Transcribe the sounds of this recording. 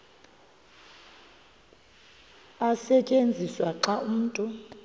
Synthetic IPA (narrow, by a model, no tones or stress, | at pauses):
asɛt͡ʃʼend͡zʱiswaǃaʔum̩ːtʼu